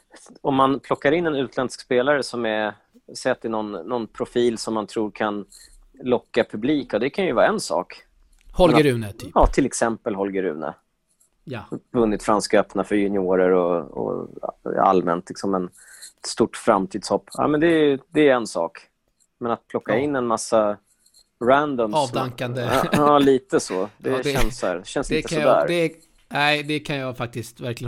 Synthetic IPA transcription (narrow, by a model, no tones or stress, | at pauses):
ɔmːanpʰlɔkːaɾɪnːɛnʉ̟ːt̪ʰlɛnskspeːlaɾəsɔmɛ | sɛjat̪̚ɛnɔnːɔnpʰɾʊfiːlsɔmːant̪ʰɾuːɾkʰan | lɔkːapʰɵbliːkɔd̪ɛkʰanjɵvɑːaɛnsɑ̰ːk | hɔɛnɾʉːnəjɑːt̪ʰɪlɛksɛmpəlɦɔlɡəɾʉ̟̰ːnə̰ | vɵnːɪt̪fɾanskœpnafœɾjɵnɪoːɾəɾɔɔ̰ | a̰lmɛ̰nt̪lɪksɔmɛn | t̪st̪uʈːfɾamt̪ʰiːd̪shɔpːa̰ːmɛnd̪ɛd̪ɛːɛnsɑ̰ːk | mɛnat̪̚pʰlɔkːaɪnːɛnmasːa | ɾænd̪ɔmɑːvaŋkand̪əɑːliːt̪əsɔd̪ɛɛnsæːɾɕɛnsɪɛəsɔd̪æ̰ːɾd̪ɛ | næɪd̪ɛkʰanjɑfak̚t̪ɪst̪væɾklɪjə